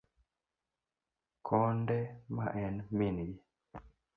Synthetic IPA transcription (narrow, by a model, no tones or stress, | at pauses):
kʰɔndɛma̰ʔɛnminɡi